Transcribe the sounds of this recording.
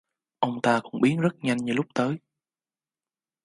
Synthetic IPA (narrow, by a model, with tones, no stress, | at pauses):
ʔə˧wŋ͡mt̪aː˧kʊ̰˧˥ŋ͡mɓi˨˦ənzə˦˥t̚ɲa˧jŋ̟ɲɨ˨˧lʊ˦˥k͡p̚t̪əː˨˦j